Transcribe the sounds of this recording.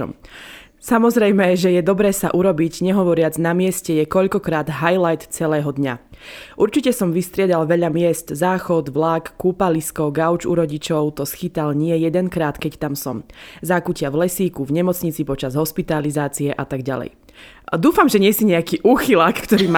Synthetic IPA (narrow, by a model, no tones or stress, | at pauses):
samɔzɾɛjmɛʒɛjɛd̪ɔbɾɛːsa̰ʔuɾɔbiɟɲɛɦɔʋɔɾɪad͡znamɪɛscɛjɛkɔʎkɔkɾaːd̪ɦajlajt̪t͡sɛlɛːɦɔd̪ɲaʔuɾt͡ʃicɛsɔmʋist̪ɾɪɛd̪alʋɛʎamɪɛst̪zaːxɔd̪ʋlakːuːpaliskɔɡaʊt͡ʃuɾɔɟit͡ʃɔʊt̪ɔsxit̪alɲɪɛjɛd̪ɛnkɾaːt̪kɛct̪amsɔmzaːkucɪavlɛsiːkuvɲɛmɔt͡sɲit͡sipɔt͡ʃazɦɔspit̪alizaːt͡siɛʔat̪aɡɟa̰lɛ̰j | d̪uːfamʒɛɲɪɛsiɲɛakiːʔuːxilakːt̪ɔɾiːm